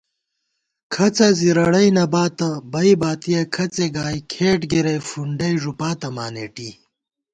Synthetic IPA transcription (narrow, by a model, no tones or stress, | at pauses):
kʰɐt͡sɐziɾɐɽɐjnɐbaːt̪ɐbɐibaːt̪ijɐkʰɐt͡seɡaːjkʰeːʈɡiɾɐjfuɳɖɐjʐupaːt̪ɐmaːneʈiː